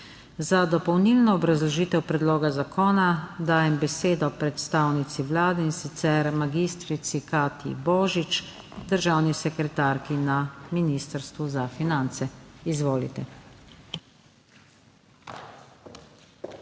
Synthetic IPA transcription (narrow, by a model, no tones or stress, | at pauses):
zad̪ɔpɔwnilnɔːbɾazlɔʒiːt̪ɛwpɾɛd̪loːɡazakɔːnad̪aːjɛmbɛseːd̪ɔpɾɛt̪st̪awnit̪siʋlaːd̪ɛinsit̪sɛɾmaɡist̪ɾit̪sikaːt̪ḭbɔːʒit͡ʃ | d̪əɾʒaːwnisɛkɾɛt̪aːɾkinaminiːst̪əɾst̪ʋuzafinant̪sɛizʋoːlḭt̪ɛ